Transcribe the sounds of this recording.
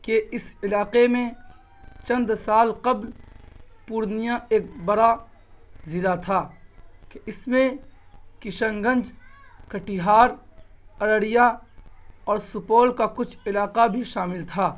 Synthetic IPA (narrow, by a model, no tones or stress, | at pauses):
keɪsɪlaːqemẽ | t͡ʃɐ̃nd̪saːlqɐbl | puːɾnijãeːk̚bɐɾa | zɪlat̪ʰaːkeʔɪsmẽkɪʃə̃ŋɡə̃nd͡ʒkɐʈiɦaːɾɐɽəɽija | ɔːɾsʊpoːlkakʊt͡ʃʰɪlaːqabʱiʃaːmɪlt̪ʰaː